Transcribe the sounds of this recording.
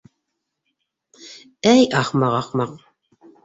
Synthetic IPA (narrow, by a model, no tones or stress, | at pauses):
æjɑχmɑʁɑqmɑq